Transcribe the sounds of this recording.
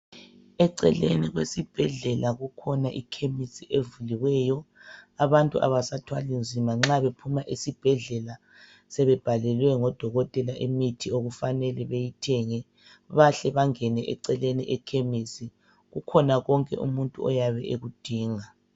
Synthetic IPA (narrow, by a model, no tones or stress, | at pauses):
ɛǀɛ̰lḛniɣwesib̥ʱɛɮɛlaɣukʰɔnaʔikʰemisiʔevuliwɛjɔaβantʼuʔa̰βasatʰwalind͡zʱimaŋ͡ǁaβepʰumaʔisib̥ʱɛɮɛla | sɛβɛb̥ʱalɛlwɛŋɔd̥ʱɔɣɔtʼɛlaʔemitʰioɣufanɛlɛβejitʰɛŋɛ | βaɬɛβaŋɛnɛʔɛ̰ǀɛleniʔɛkʰemisi | ɣukʰɔnaɣɔŋkʼɛ̰ʔṵmuntʼṵɔjaβɛʔeɣud̥ʱiːŋa